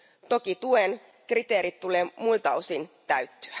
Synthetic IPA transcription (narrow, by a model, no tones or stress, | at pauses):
t̪o̞kit̪uen | krit̪e̞ːɾit̪tːule̞ːmult̪ɑosint̪æɥt̪ːy̥æ